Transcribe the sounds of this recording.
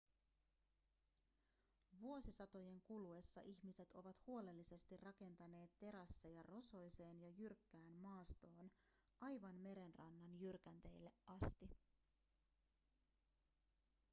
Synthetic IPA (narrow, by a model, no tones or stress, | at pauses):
ʋuo̞sisɑt̪o̞je̞ŋkulue̞sːɑʔiçmise̞t̪o̞ʋɑt̪huo̞le̞lːise̞st̪irɑke̞nt̪ɑne̞ːt̪ːe̞ɾɑsːejɑro̞so̞jse̞ːnjɑjyrkːæːnmɑːst̪o̞ːnʔɑjʋɑnme̞ɾe̞nrɑnːɑnjyrkænt̪e̞jlːe̞ʔʔɑst̪i